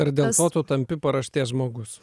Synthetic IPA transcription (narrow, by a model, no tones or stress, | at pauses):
ɐɾd̪ʲeːlˠt̪oːt̪ʊt̪ɐmʲpʲɪpɐɾɐʃʲt̪ʲeːsʒmoːɡʊs